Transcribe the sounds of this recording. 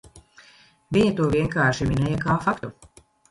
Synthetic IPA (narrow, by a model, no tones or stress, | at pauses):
vʲiɲɐt̪uɔvʲiɛŋkaːɾʃiminɛjakaːfakt̪u